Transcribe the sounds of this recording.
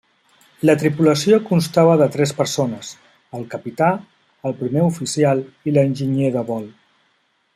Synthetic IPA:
lət̪ɾipuləsiokunst̪aβəðət̪ɾɛspəɾsonəs | əlˠkəpit̪a | əlˠpɾimeufisialˠilənʲʒiɲeðəβɔlˠ

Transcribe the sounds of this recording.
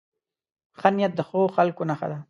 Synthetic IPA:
xanijat̪̚d̪əxooxalkonaxa̰d̪a

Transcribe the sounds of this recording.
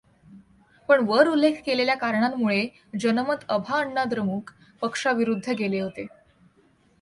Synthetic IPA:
pəɳʋəɾulːekʰkeleljakaɾɳamːuɭe | d͡ʑənəmət̪əbʱaəɳːad̪ɾəmuːk | pəkʂaʋiɾud̪ʱːəɡeleɦot̪e

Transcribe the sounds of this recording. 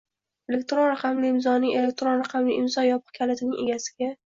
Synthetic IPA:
e̞le̞k̚ʲt̪ɾonɾaqʰɑmliɪmzɒnɪŋe̞lek̚ʲt̪ɾonɾaqʰɑmliʔɪmzɒjɒpʰɨ̥qkʲʰalat̪ʰɪnɪŋʔe̞̰ɡʲasɪ̥ɡʲa

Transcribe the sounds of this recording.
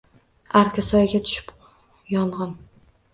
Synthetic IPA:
aɾkʰʲasɒjɡʲat̪ʰʊ̥ʃɪ̥p | jɒɴʁɑn

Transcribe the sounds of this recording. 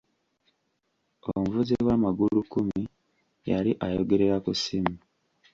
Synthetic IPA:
o̰muvuziwaːmaɡulukumi | ja̰liʔajoɡe̞ɾe̞ɾakusimi

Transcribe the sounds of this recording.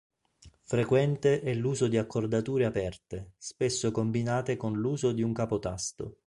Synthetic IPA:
fɾekwɛnt̪eʔɛlːuːzod̪iakʰːord̪at̪uːɾeapɛrt̪espesːokombinaːt̪ekonluːzod̪iuŋkapot̪ast̪o̰

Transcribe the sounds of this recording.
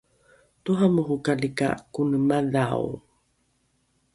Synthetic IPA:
tuɦamuɦukalika̰kunəmaðaw

